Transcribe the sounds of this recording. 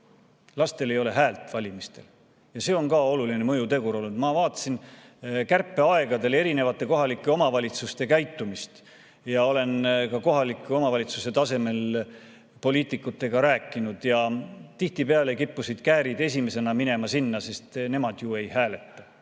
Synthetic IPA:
lɑst̪e̞le̞jo̞le̞ɦæːlt̪ˑvɑlʲimist̪e̞l | jɑse̞ːo̞nkɑo̞lulinemɤjut̪e̞ɡuɾo̞lːnud̪mɑvɑːt̪ːˑɑ̥sin | kærpːˑe̞ɑe̞ɡ̥ɑd̪e̞leɾine̞vɑt̪ːˑe̞ko̞ɦɑlikːˑe̞o̞mɑvɑlʲit̪sust̪e̞kæjt̪ːˑumist̪ | jɑo̞le̞nkɑko̞ɦɑlikːˑeo̞mɑvɑlʲit̪suse̞t̪ɑse̞me̞l | po̞liːt̪ˑikːˑut̪ːˑe̞ɡ̥ɑɾæːkːˑinud̪̥jɑt̪iht̪ipeɑlekipːusid̪̥kæːɾid̪e̞s̬ʲime̞se̞nɑmine̞mɑsinːɑse̞st̪ne̞mɑd̪̥jue̞jhæːle̞t̪ːɑ

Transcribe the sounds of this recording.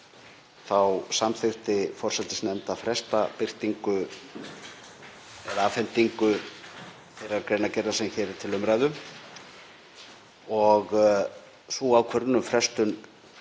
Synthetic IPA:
θawsamθɪht̪ɪfɔr̥sɛt̪ɪsnɛmt̪afɾɛst̪apɪr̥t̪iŋkʏ | ɛɾaːfɛnt̪iŋkʏ | θɛːɾaɾkɾejnacɛjɾðasɛmçɛːɾɪ̥t̪ʰɪlʏmɾajðʏ | ɔɣ | suawkʰvœɾnʏmfɾɛst̪ʏn

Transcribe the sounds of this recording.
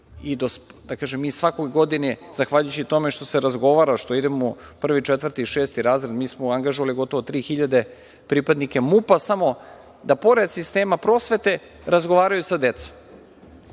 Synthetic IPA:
id̪osd̪akaːʒemːiːsʋakojɡo̞d̪iniz̥axʋaʎujut͡ɕit̪o̞meʃt̪o̞seɾazɡo̞ʋaːɾaʃt̪o̞id̪emopr̩ʋit͡ʃet̪ʋərt̪iʃe̞ːst̪iɾaːzɾed̪miːsmoaŋɡaʒoʋaliɡo̞t̪o̞ʋot̪ɾiːxiʎad̪e̞ | pɾipad̪nike̞mupasamo̞ | d̪apo̞ɾed̪sist̪e̞ːmapɾo̞ːsʋe̞t̪e̞ | ɾazɡoʋaːɾajusad̪et̪so̥m

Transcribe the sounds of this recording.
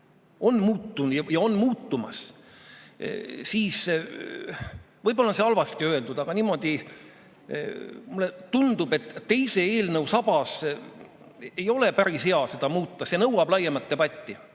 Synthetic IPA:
o̞nːmuːt̪ːunjɑjɑo̞nːmuːt̪ːumɑ̰s | siːs | vɤjbo̞lːɑseɑlvɑst̪iø̞e̞ld̪ud̪̥ɑɡ̥ɑniːmo̞d̪̥i | mulːet̪und̪̥ube̞t̪ːt̪ːe̞jse̞eːlnɤwsɑb̥ɑs | ejo̞le̞pæɾishe̞ɑse̞d̪̥ɑmuːt̪ːɑsenɤwɑb̥lɑjemɑlt̪ːe̞b̥ɑt̪ʲˑːi

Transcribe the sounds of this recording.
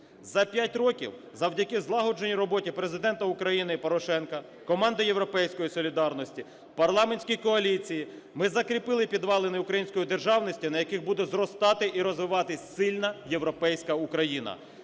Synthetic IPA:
zɐpʲjatʲrɔkʲḭw | zɐwdʲɐkɪzlˠɑɦɔd͡ʒenʲiɾɔbɔtʲipɾezɪd̪ɛnt̪ɐukɾɐjinɪpɔɾɔʃɛnkɐ | kɔmɑnd̪ɐje̞wɾɔpɛjsʲkɔjisɔlʲid̪ɑrnɔsʲtʲi | pɐrlˠɑmenʲsʲkʲijkɔɐlʲit͡sʲiji | mɪzɐkɾʲipɪlˠɪpʲid̪ʋɑlˠenɪukɾɐjinʲsʲkɔjid̪e̞rʒɑwnɔsʲtʲinɐjɐkɪɣbud̪ɛzrɔst̪ɑt̪ɪʔiɾɔzʋɪʋɑt̪ɪsʲsɪlʲnɐje̞wɾɔpɛjsʲkɐukɾɐjinɐ̰

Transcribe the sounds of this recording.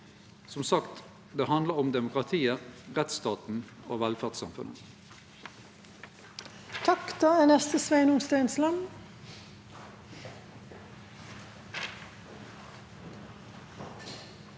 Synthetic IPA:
sɔmsɑkt̪ | d̪eːɦɑnd̪ləʁʊmd̪ɛmʊkʁɑt̪ʰiːəʁɛt̪st̪ɑːt̪n̩ | oːʋælfæʁt̪sɑ̰mfʉ̰nə̰ | t̪ʰɑkt̪ɑːɛnɛst̪əsʋæɪnʊmst̪æɪnslɑm

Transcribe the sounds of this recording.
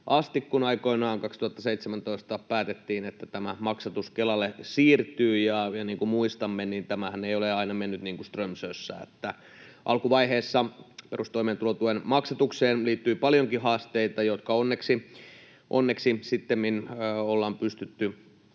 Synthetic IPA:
ʔɑst̪ikːunɑikoinɑːŋkɑkst̪uhɑt̪ːɑseit̪semænt̪oist̪ɑpæːt̪et̪ːiːnet̪ːæt̪æmæmɑksɑt̪uskelɑlːesiːrt̪yːjɑjɑniːŋkumuist̪ɑmːeniːnt̪æmæhæneijoleɑinɑmenːyt̪niːŋkust̪rømsøsːæ̰ḛt̪ːæ | ʔɑlkuʋɑiheːsːɑperust̪oimeːt̪ulot̪uhenmɑksɑt̪ukseːnliːt̪ːyipɑljoŋkihɑːst̪eit̪ɑjot̪kɑonːeksi | ʔonːeksisit̪ːemminːolːɑːmpyst̪yt̪ːy

